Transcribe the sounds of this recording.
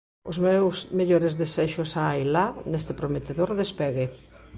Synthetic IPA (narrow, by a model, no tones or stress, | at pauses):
ʊzmewsmeʎoɾezðesɛʃʊsaajlanest̪epɾomet̪eðoɾðespɛɣe